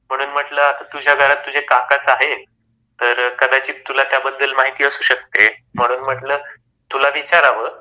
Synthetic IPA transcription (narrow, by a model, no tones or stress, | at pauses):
m̤əɽ̃uːnm̤əʈləːaat̪ud͡ʑʱjaɡʱəɾat̪ːud͡ʑʱekakasaɦe | t̪əɾkəd̪at͡ɕiːt̪t̪ːulat̪jabəd̪d̪əlmaɦit̪iːəsuːɕək̚t̪em̤əɽ̃uːnm̤əʈləː | t̪ulaʋit͡ɕaɾaʋəː